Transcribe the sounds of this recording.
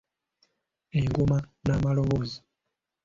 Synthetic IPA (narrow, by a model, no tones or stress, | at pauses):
eŋɡumanaːmalo̞βoːzi